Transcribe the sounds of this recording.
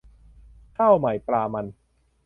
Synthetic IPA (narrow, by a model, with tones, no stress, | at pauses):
k̪ʰaː˥˩wma˨˩˦jpɾaː˧ma˧n